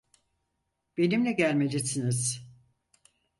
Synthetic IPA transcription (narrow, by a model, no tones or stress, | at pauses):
b̥e̞nimlʲɛɟælʲmed͡ʒisiniz̥